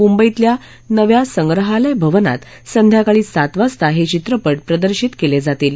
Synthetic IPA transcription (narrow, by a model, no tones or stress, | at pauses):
mumbəit̪lja | nəʋjasəŋɡɾəɦaləjbʱəʋəna̰t̪ | sənd̪ʱjakaɭiːsat̪ʋast̪aɦet͡ɕit̪ɾəpəʈpɾəd̪əɾɕiːt̪keled͡zat̪iːl